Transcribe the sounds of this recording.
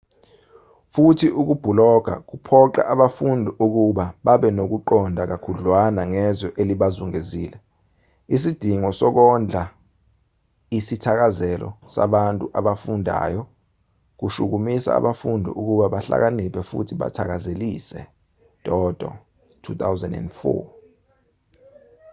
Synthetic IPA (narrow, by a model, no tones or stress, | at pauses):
futʰiʔuk̬ub̥ʱulɔɡ̥ʱa̰k̬upʰɔǃa̰ʔaɓafundʱiʔuk̬uɓaɓaɓɛnok̬uǃɔndʱak̬akʰuɮwanaŋɛzɔʔeliɓazuŋeziːlɛ | is̬id̥ʱiŋɔsɔk̬ɔnd͡ɮʱa | isitʰak̬azɛlɔ̰sa̰ɓantʼuʔaɓafundʱa̰ːjɔ | k̬uʃuk̬umisa̰a̰ɓafundʱḭʔuk̬uɓaɓaɬa̰k̬anipʰɛfṵtʰiɓa̰tʰak̬azeliːsɛ̰ | d̥ʱɔd̥ʱɔ̰ | tʰut̪ʰawzɛ̰ndɛ̰ndfɔ̰